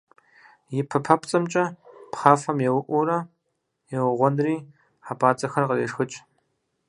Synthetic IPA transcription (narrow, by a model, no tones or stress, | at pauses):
jɪpʰɐpʰɐpʰt͡sʼɐmt͡ʃʼɐpχaːfɐmjɛwʊʔʷuɾɐ | jɛwʊʁʷɔnriː | ħapʰʼaːt͡sʼɐxɐrqəreːʂxɨt͡ʃʼ